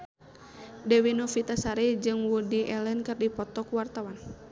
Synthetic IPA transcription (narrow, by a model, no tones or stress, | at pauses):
dɛwinofit̪asaɾɛd͡ʒɨŋwudiɛlɛnkɨrdipɔt̪ɔkuwart̪awan